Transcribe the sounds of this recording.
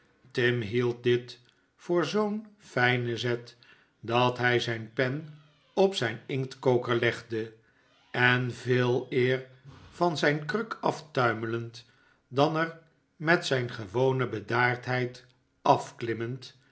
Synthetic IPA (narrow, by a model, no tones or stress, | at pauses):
tɪmɦilˠt̚dɪt | fʊːɹzownfɛjnəzɛt | dɑtɦɛjzɛjnpɛn | ɔpsɛjnɪŋtkowkəɹlɛχdə | ɛnveːlˠɪːr | v̥ɑnzɛjnkrɵkʰɑftœɥmələnt | dɑnəɹ | mɛtsɛjnχəʋownəbədaːɹtɦɛjt | ɑfklɪmənt